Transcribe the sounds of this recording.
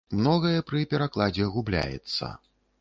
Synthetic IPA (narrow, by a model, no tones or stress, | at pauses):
mnɔɣɐjɛpɾɨpʲɛɾaklˠad͡zʲɛɣublʲa̰jɛ̰t̪sːɐ̰